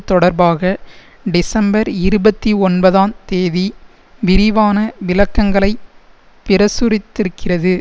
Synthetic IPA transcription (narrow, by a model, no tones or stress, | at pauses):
t̪ːɔɽɐɾbaːɣɐ | ɖɪsɐmbɐɾɪɾɯbɐt̪ːiɔnbɐðaːnt̪eːði | ʋɪɾɪʋaːnɐʋɪlɐkːɐŋɡɐɭɐɪ | pɪɾɐsʊɾɪt̪ːɪɾɯkːɪrɐðɯ